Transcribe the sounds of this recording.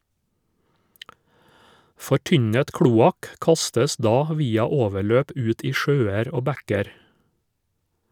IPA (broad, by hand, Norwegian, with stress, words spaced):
fɔˈʈʏɲət ˈkɽuːɑk ˈkɑstəs ˈdɑː ˈʋiːɑ ˈoːʋəˌɭøːp ˈʉːt ˈiː ˈʃøːɛɾ ˈoː ˈbækɛɾ